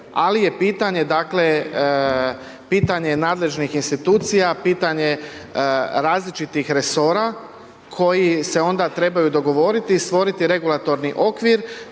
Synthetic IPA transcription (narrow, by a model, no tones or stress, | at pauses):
alije̞piːt̪aɲe̞d̪akle̞ | piːt̪aɲe̞naːd̪le̞ʒnixinst̪it̪uːt̪sijapiːt̪aɲe̞ | ɾaːzlit͡ʃit̪ixɾe̞so̞ɾa | kʰo̞jise̞o̞nd̪at̪ɾe̞bajud̪o̞ɡo̞ʋo̞ɾit̪iːst̪ʋo̞ɾit̪iɾe̞ɡulˠat̪o̞ɾniʔo̞kʋiɾ